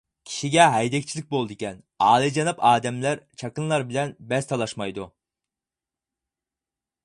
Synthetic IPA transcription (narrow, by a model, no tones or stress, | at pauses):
cʲʰi̥ʃiɟʲɛɦɑjd̪ɛk̚t͡ʃʰilʲi̥c̚bolˠd̪ucʲɛn | aːlʲˠid͡ʒanɯpʰaːd̪ɛmlʲæɾt͡ʃʰakɯnlˠaɾbilʲɛnbɛst̪ʰalˠaʃmajd̪u